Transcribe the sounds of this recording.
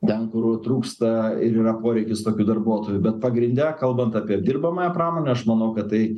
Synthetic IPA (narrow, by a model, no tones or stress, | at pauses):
t̪ʲɛnkʊrt̪ɾuːkst̪ɐɪɾiːrɐpoːɾʲɛɪkʲɪst̪oːkʲuːd̪ɐrbuɔt̪oːjubʲɛt̪̚pɐɡɾʲɪnʲd̪ʲɛkɐlˠbɐnt̪ɑːpʲiɛd̪ʲirbɐmɐjɛpɾɑːmoːnʲɛɐʃmɐnɐʊkɐt̪t̪ɐɪ